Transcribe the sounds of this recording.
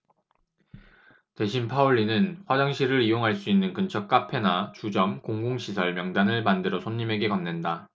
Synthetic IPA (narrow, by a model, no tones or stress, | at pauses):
te̞ɕʰinpʰauɭːinɯnɸwad͡ʑaŋɕʰiɾɯɾijoŋɦaɭs͈uinːɯnkɯnt͡ɕʰʌk̚k͈apʰe̞nat͡ɕud͡ʑʌmkoŋɡoŋɕʰisʰʌɭmjʌŋdanɯɭmandɯɾʌsʰoɲːime̞ɡe̞kʌnːenda